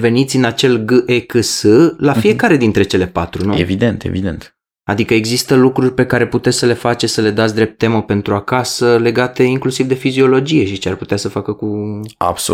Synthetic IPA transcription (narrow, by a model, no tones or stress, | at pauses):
ve̞nit̪sʲɨnat͡ʃe̞lɡɨʔekɨsɨlafie̞kaɾe̞d̪int̪ɾe̞t͡ʃe̞le̞pat̪ɾunuevid̪ent̪ḛvid̪ḛnt̪ | a̰d̪ikəeɡzist̪əlukɾurʲpe̞kaɾe̞put̪e̞t̪sʲsəle̞fat͡ʃesəle̞d̪at̪s̬ʲd̪ɾe̞p̚t̪ːe̞mope̞nt̪ɾuakasəle̞ɡat̪e̞iŋklusivd̪e̞fizio̞lo̞d͡ʒije̞ʃit͡ʃearput̪easəfakəkua̰bso̰